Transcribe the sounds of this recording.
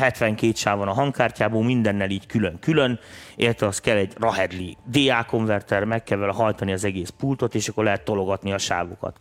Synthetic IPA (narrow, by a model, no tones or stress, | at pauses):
ɦɛt̪ʋɛŋkeːt̪ʃaːvɒnɒɦɒŋkaːrcaːboːlmind̪ɛnːɛliːckyløŋkylønḭlɛt̪ʋɛɒst̪kɛlːɛɟrɒɦɛd̪lid̪eːaːko̞ɱvɛrt̪ɛrmɛkːɛlːɛlhɒjt̪ɒniɒzɛɡeːspuːlt̪o̞t̪eːʃɒkːorlɛɦɛt̪ːo̞lo̞ɡɒt̪niɒʃa̰ːvokɒ̰t̪